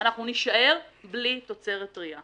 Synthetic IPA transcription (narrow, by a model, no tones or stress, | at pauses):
naχnuniʃaʔe̞ʁblito̞t͡se̞ʁetʁia